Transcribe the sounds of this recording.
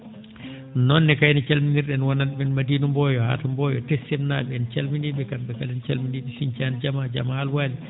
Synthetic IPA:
nɔnːɛkajnɔt͡ʃalminiɾɗɛnwananmɛnmadinumbɔjɔha̰tambɔjɔ̰tɛsɛmnaːɓɛɛnt͡ʃalminiɓɛkamɓɛkalɛnt͡ʃalminiɓɛsiɲt͡ʃand͡ʒamad͡ʒa̰maalwaːli

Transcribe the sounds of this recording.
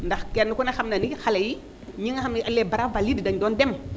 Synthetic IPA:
ndaxkenukunaxamnanikixalaji | ɲiŋaamalebaɾavaliddaɲdondem

